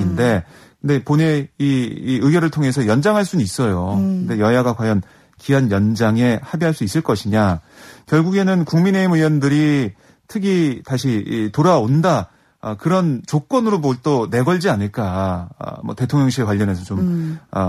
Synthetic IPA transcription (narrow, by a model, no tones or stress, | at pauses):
inde̞kɯnde̞pone̞iːɯɡjʌɾɯɭtʰoŋɦe̞sʰʌjʌnd͡ʑaŋɦaɭs͈unɯis͈ʌjokɯnde̞jʌjaɡakwajʌn | kiɦanjʌnd͡ʑaŋe̞habiɦaɭs͈uis͈ɯɭk͈ʌɕʰiɲakjʌɭɡuɡe̞nɯnkuŋmine̞imɯjwʌndɯɾi | tʰɯɡitaɕʰitoɾaonda | ʌkɯɾʌnt͡ɕok͈wʌnɯɾoboɭt͈one̞ɡʌɭd͡ʑianɯɭk͈a̰ | mʌ̰te̞tʰoŋɲʌŋɕʰiekwaʎːʌne̞sʰʌt͡ɕomʌ̰